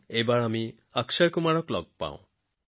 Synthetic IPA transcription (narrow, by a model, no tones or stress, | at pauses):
ebaɭami | aksaɾkumaɽɔklɔɡ̚pa̰w̰̃